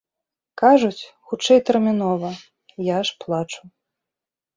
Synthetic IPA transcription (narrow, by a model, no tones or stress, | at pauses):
kaʐut͡sʲxut͡ʂɛjt̪ɛrmʲinɔvɐ | jaʂplˠat͡ʂu̥